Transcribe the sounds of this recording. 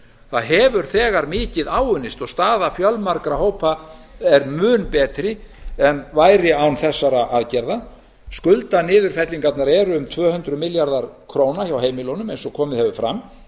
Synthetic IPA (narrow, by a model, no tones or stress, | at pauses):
θaðɦɛːvʏɾ̥θɛːɣaɾmɪːcɪðaːwʏnɪst̪ɔɣst̪aːðafjœlmaɾkɾahowpʰaɛɾmʏːnpɛːt̪ɾɪɛnvaːjɾɪawnθɛsːaɾaʔaðcɛɾða | skʏlt̪anɪːðʏɾ̥fɛt̪liŋkat̪naɾɛːɾʏʏmt̪ʰvœːhʏnt̪ɾʏmɪljaɾðaɾ̥kʰɾoːwnaçawɦeːjmɪlownʏmejnsɔkʰɔːmɪðhɛvʏfɾa̰m